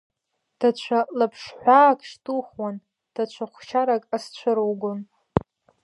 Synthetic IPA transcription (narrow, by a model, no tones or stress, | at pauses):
d̥at͡ɕʷʰalapʰʂħʷaːkʰʼʂtʰʼuχwan | d̥at͡ʃʷʰaχʷt͡ʃʰaɾakʼast͡ɕʷʰʊɾwɡʊn